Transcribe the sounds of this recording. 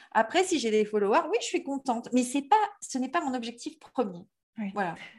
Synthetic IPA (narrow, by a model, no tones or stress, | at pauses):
a̰pχɛsiʒed̪efɔlɔwaʁwiʒəsɥikɔ̃t̪ɑ̃t̪mɛsɛpasənɛpamɔ̃nɔbʒɛk̚t̪ifpχəmje | vwala